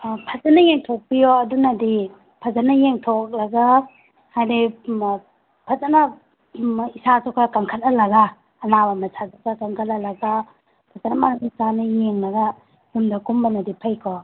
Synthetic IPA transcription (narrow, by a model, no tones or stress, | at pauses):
pʰazanajeŋtʰok̚pijɔɐdunadi | pʰazanɐjeŋtʰok̚laɡa | hajdi | pʰazana | isasɔkʰakaŋkʰat̚alɐɡaː | nabamasʰasɔkʰakaŋkʰat̚nalɐɡa | pʰazanɐmaɾamisanɐjeŋlɐɡa | dumdɐkumbanɐdipʰajkʰɔ